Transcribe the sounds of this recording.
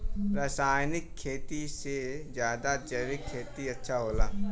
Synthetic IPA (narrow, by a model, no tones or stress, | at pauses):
ɾaːsaːjnɪkʰːeːt̪isezjaːd̪ad͡ʒəɾɪkʰːeːt̪iɐtːʃʰaɦoːla̰ː